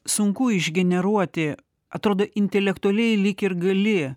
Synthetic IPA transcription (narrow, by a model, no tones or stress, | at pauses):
sʊŋkʊɪʒʲɡʲɛnʲɛɾuɔt̪ʲɪ | ɐt̪ɾoːd̪oːʔɪnʲt̪ʲɛlʲɛkt̪ʊɐlʲɛɪlʲɪkʲɪɾɡɐlʲɪ